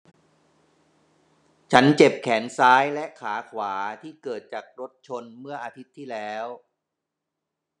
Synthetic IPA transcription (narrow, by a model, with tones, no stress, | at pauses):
t͡ɕʰa˦˥nt͡ɕe˨˩p̚kʰɛː˩˦nsaː˦˥jlɛ˦˥ʔkʰaː˩˦kʰwaː˩˦t̪ʰiː˥˩kɤː˨˩t̪̚t͡ɕaː˨˩k̚ɾo˦˥t̪̚t͡ɕʰo˧nmɯ˥˩ɐʔaː˧t̪ʰi˦˥t̪ʰːiː˥˩lɛː˦˥w